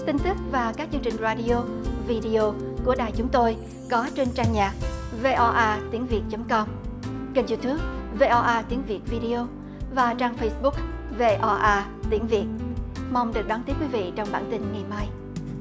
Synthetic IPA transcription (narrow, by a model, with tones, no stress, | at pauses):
t̪ï˧ŋ̟t̪ɨ˦˥k̚vaː˨˩kaː˦˥k̚t͡ɕɨ˧əŋt͡ɕï˨˩ŋ̟zaː˧ɗi˧o˧vi˧ɗi˧o˧ku˧˩əɗaː˨˩jt͡ɕʊ˨˦ŋ͡mt̪o˧j | kɔ˨˦t͡ɕe˧nt͡ɕaː˧ŋɲaː˨˩k̚ve˧ʔɔ˧ʔaː˧t̪i˨˦əŋvi˨˩ət̚t͡ɕə˨˦mkɔ˧mkə˨˩nzu˧t̪ɨ˨˦əp̚ve˧ʔɔ˧ʔaː˧t̪i˨˦əŋvi˨˩ət̚vi˧ɗi˧o˧ | vaː˨˩t͡ɕaː˧ŋfə˧jsɓʊ˦˥k̚ | ve˧ʔɔ˧ʔaː˧t̪i˨˦əŋvi˨˩ət̚ma˧wŋ͡mɗɨ˨˩k̚ɗwaː˨˦nt̪i˦˥p̚kwi˨˦vḭ˧˨t͡ɕɔ˧wŋ͡mɓaː˧˩nt̪ï˧nŋa˨˩jmaː˧j